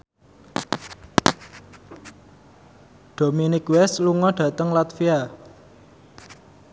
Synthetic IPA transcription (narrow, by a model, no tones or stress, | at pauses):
ɖ̪̥o̤minɪkwɛsluŋɔɖ̥ä̤t̪əŋlat̪fia